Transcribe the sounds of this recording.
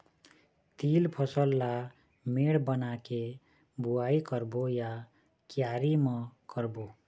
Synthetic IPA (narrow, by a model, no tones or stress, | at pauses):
t̪ilpʰʌsəlːa | meɽbʌnake | buaikʌɾboja | kjaɾimʌkʌɾbo